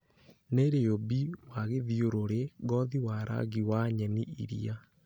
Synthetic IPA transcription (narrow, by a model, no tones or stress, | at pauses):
neɾejobiwaɣeðioɾoɾeɣɔðiwaɾʔa̰ɣiwaɲɛniḭɾḭa